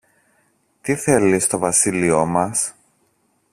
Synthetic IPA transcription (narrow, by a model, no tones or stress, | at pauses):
t̪iθe̞list̪o̞vɐsilio̞mɐs